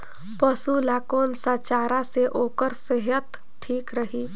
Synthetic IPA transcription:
pəsulaːkoːnsaːt͡ʃaːɾaseʔoːkəɾsəɦət̪ | ʈʰiːkɾəɦiː

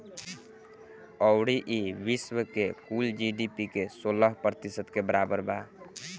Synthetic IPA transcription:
ɔʊɽiʔiʋiswəkekuld͡ʒiɖipikesoləɦpɾət̪isət̪kebəɾabəɾba

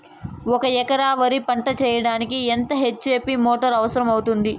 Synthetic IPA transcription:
ɔkɐɛkɐɾaːʋɐɾipɐɳʈɐt͡ʃɛːjɐɽaːnikient̪ɐɦet͡ʃːeːpimoːʈɐɾɐʋɐsɐɾɐmɐwut̪und̪i

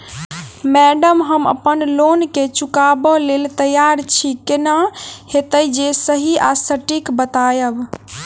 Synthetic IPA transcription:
mɛɖəmɦəmə̰pənlonket͡ʃukabɔlelt̪əjaɾt͡ʃʰikenahet̪əjd͡ʒesəɦiasəʈikbət̪ajəb

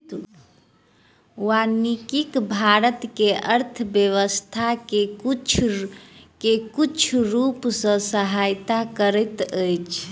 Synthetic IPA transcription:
anikikbʱaɾət̪keʔəɾt̪ʰəbjəʋəst̪ʰakekt͡ʃʰ | kekut͡ʃʰɾupsə̃səɦajt̪akəɾət̪əjt͡ʃʰ

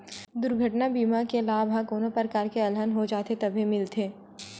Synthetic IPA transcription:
d̪ʊɾɡʱɐʈnabiːmakelaːbʱɦãkoːnopəɾkaːɾkeɐlɦənɦod͡ʒaːt̪et̪ɐbʱimɪlt̪ʰeː

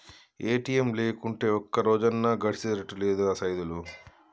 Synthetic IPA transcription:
eːʈiːemle̞ːkuɳʈe̞ːɔkːɐɾoːd͡ʒɐnːɐɡɐʈʰi̥t͡ʃiɾɐʈːule̞ːd̪uaːsɐjd̪ulu

